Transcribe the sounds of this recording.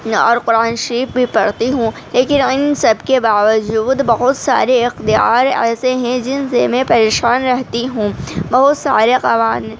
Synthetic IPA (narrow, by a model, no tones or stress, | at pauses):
ɔ̰ːɾqʊɾaːnʃɐɾiːfbʱipɐɽt̪iɦũleːkɪnɪnsɐbʱkebaːʋəd͡ʒuːd̪bɐɦʊt̪sa̰ːɾeɪxt̪ija̰ːɾɛ̰ːseɦɛ̃d͡ʒɪnsemẽpɐɾeːʃaːnɾɛɦt̪iɦũːbɐɦʊt̪sa̰ːɾeqɐʋaːn